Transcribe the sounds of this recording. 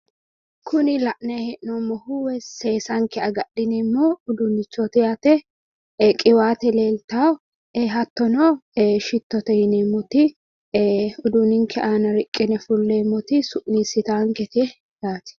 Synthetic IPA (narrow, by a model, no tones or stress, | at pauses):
kʰʊnɪlɐʔnɐhɛʔnomːɔhuwɛseːsɐŋkɛɐɡɐɗɪnɛmːoʊd̪ʊnːɪt͡ʃːɔt̪ɪjat̪ɛ | kʼɪwaːt̪ɛleːlt̪aːw | eɦɐt̪ːɔnɔʃɪt̪ːɔt̪ɛjɪnɛmːɔt̪ɪ | ʊd̪ʊnɪŋkʰɛʔaːnɐɾɪkʼːɪnɛfʊlːeːmːɔt̪ɪsʊʔniːsɪt̪aːŋkɛt̪ɛ | jaːt̪ɪ̥